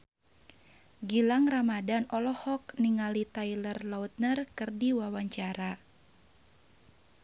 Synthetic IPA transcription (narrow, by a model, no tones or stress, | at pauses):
ɡilaŋramadanɔlɔhɔk̚niŋalit̪ailərlaut̪̚nərkɨrdiwawaɲt͡ʃaɾa